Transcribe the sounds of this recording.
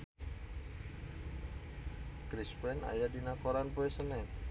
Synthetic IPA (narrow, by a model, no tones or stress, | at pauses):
kɾispɛna̰jadinakoɾanpuɛsənɛ